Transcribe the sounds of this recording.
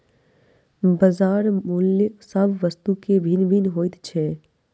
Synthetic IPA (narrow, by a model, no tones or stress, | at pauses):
bəzaːɾmʊljksəbʱʋəst̪ukebʱinbʱinɦoːɪt̪t͡ʃʰɛː